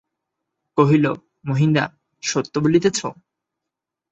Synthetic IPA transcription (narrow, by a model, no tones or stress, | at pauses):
koɦilo | moɦind̪a̰ | ʃot̪ːobulit̪et͡ɕʰo